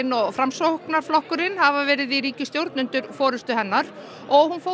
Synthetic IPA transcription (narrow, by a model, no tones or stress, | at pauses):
ɪnɔɣfɾamsoknaɾ̥flɔhkʏɾɪnhavavɛːɾɪðiɾiːcɪst̪jowɾt̪nʏnt̪ʏɾ̥fɔːɾʏst̪ʏɦɛnːaɾ | ɔɣhunfoː